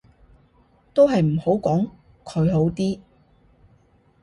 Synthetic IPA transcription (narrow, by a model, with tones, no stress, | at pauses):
t̪o˥wɦɐ˨jm̩˨˩ho˨˥wkɔː˨˥ŋ | kʰɵ˨˧ɥɦo˨˥wt̪iː˥